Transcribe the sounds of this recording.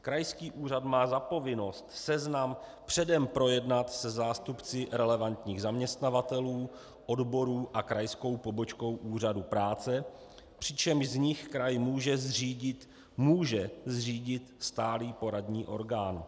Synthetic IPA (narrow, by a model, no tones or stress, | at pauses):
kɾajskiːʔuːr̝ad̪maːzapo̞vɪno̞st̪sɛznampr̝̥ɛdɛmpɾo̞jɛdnat̪sɛzaːst̪upt͡sɪɾɛlɛvant̪ɲiːɣzamɲɛst̪navat̪ɛluː | ʔo̞dbo̞ɾuːʔakɾajsko̞wpo̞bo̞t͡ʃko̞wʔuːr̝adupɾaːt͡sɛ | pr̝̥ɪt͡ʃɛmʒzɲɪxkɾajmuːʒɛzr̝iːɟɪt̪ | muːʒɛzriːɟɪt̪st̪aːliːpo̞ɾadɲiːʔo̞̰ɾɡaːn